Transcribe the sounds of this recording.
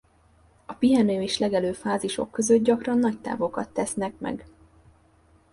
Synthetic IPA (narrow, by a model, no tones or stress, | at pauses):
ɒpiɦɛnøːeːʃlɛɡɛløːfaːziʃo̞̰kːø̞zø̞t̪̚ɟɒkrɒnːɒct̪a̰ːvo̞kɒ̰t̪ːɛsnɛkmɛ̰ɡ